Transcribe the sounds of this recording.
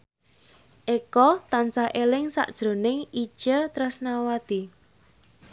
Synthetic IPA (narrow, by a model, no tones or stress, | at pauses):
ʔekɔt̪ant͡ʃahʔelɪŋsa̰ʔd̥ʒ̥ɾo̤nɪŋi̥ʒ̥ət̪ɾəsnawad̪̥i